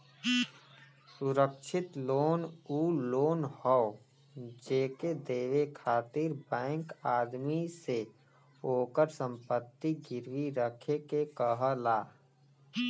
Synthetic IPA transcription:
sʊɾəkʃɪt̪loːnuːloːnhɔo | d͡ʒeːked̪eːʋekʰaːt̪ɪɾbɛ̃ːŋkaːd̪mise | oːkəɾsə̃mpət̪ːiɡɪɾʋiɾəkʰekekəɦəlaː

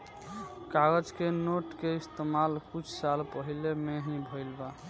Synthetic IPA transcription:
kaɡəd͡ʒkenoʈkeist̪emalkut͡ʃʰsalpəɦilemeɦĩbʱəjlba

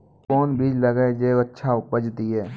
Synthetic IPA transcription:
kɔːnbiːd͡ʒləɡed͡ʒeətːʃʰaʊpəd͡ʒt̪iɦɛː

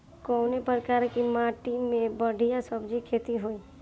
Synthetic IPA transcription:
kɔːnepɾkaːɾkimaʈimẽbəɽʱijasəbd͡ʒikʰeːt̪iɦoi

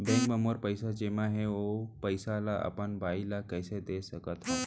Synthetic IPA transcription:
bɛ̃ŋkməmoɾpəjsad͡ʒemãɦeopəjsalaʔa̰pənbailakəjsed̪esəkət̪ɦa

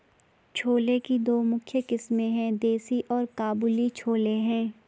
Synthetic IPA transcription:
t͡ʃʰoːlekid̪oːmʊkʰjəkɪsmẽɦɛ̃d̪eːsiʔɔːɾkaːbuːlit͡ʃʰoːleɦɛ̃ː

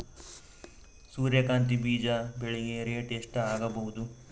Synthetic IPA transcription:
suːɾjɐkaːnt̪̬ibiːd͡ʒabeɭeɡeɾeːʈeʂʈɐaːɡɐbɐɦud̪u

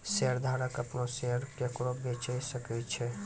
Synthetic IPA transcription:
seəɾd̪ʱaɾəkəpnoseəɾkekɾobet͡ʃəjsəkɛt͡ʃʰɛ

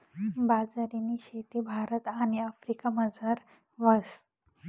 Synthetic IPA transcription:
bad͡zaɾiniɕet̪ibʱaɾət̪aɽ̃iafɾikaməd͡zaɾ | ʋəs

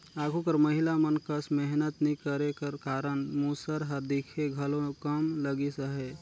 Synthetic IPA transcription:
aːɡʰʱukəɾməɦɪlamənkəsmɛɦnət̪nikəɾekəɾkaːɾənmuːsəɾɦəd̪ikʰeɡʱəlõkəmləɡisəɦe

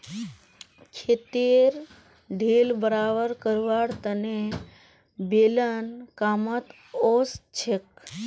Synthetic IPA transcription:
kʰet̪eɾ | ɖʱelbəɾaʋəɾkəɾʋaɽt̪əne | belənkamət̪ | ost͡ʃʰek̚

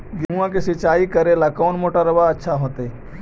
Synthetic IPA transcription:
ɡɦũãkesɪt͡ʃaːikɐɾelakɔːnmoːʈaɾɐʋaɐtːʃʰaɦoːt̪e

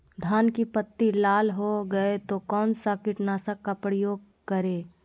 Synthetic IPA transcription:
d̪ʱaːnkipət̪ːilaːlɦoɡɐet̪okɔːnsakɪʈnaːsakːapɾəjoːɡ̚ | kəɾeː

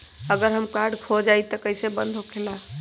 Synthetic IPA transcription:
əɡəɾɦəmkaɾɖkʰod͡ʒajt̪əkəjsebə̰nd̪ʱokʰela

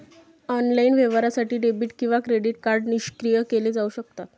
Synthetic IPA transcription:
ɔnlainʋeʋɾasaʈiːɖebiːʈkĩʋakɾeɖiʈkaɾɖniɕkɾijəkeled͡zauɕəkt̪at̪

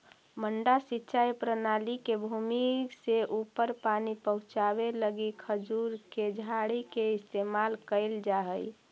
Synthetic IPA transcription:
məɳɖasitːʃajpɾənalikebʱumikseʔupəɾpanipəɦʊ̃t͡ʃabeləɡikʰəd͡ʒuɾked͡ʒʱaɽikeɪst̪emalkəɪld͡ʒaɦəj

